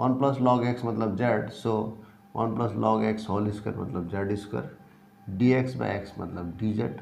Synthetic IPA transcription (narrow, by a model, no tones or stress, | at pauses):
ʋɐnplɐslɔɡeksmɐt̪ləbd͡ʒaɖso | ʋʔɐ̰nplɐslɔːɡeksɦoːliskəɾmɐ̰t̪ləbd͡ʒaɖiskə̰ɾ | ɖieksba̰eksmɐ̰t̪ləbɖid͡ʒeʈ